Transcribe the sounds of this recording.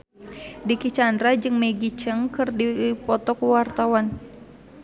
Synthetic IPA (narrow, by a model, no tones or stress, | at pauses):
dikit͡ʃandɾad͡ʒɨŋmeɡit͡ʃəŋkɨrdipɔt̪ɔkuwart̪awan